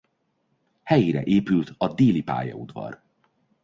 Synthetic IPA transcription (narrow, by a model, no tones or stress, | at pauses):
hɛjiɾɛʔeːpylt̪ɒd̪eːlipa̰ːjɒ̰ud̪vɒ̰r